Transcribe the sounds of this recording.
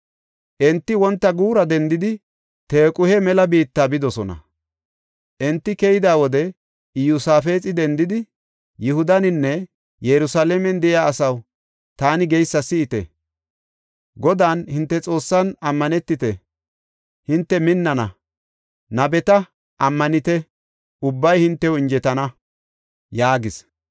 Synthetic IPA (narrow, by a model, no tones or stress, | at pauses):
ʔɛnt̪ːɪwɔnt̪ːɐɡuːɾɐd̪ɛnd̪ɪd̪ɪ | t̪eːkʼʊhɛmɛlɐbiːt̪ːaːbɪd̪ɔsɔnɐ̰ | ʔɛnt̪ːɪkɛjɪd̪aːwɔd̪ɛ | ɪjʊsaːfe̞ːt͡sʼɪd̪ɛnd̪ɪd̪ɪ | jɪhʊd̪ɐnɪnːɛ | jɛɾʊsaːlemɛnd̪ɛjaːɐsɐw | t̪aːnɪɡɛjsːɐsɪːt̪ɛ̰ | ɡɔd̪aːnhɪnt̪ːɛt͡sʼo̞ːsːɐnɐmːɐnɛt̪ːɪt̪ɛ | hɪnt̪ːɛmɪnːɐnɐ | nɐbɛt̪ɐ | ʔɐmːɐnɪt̪ɛ | ʊbːɐjhɪnt̪ːɛwɪnd͡ʒɛt̪ɐnɐ | jaːɡɪs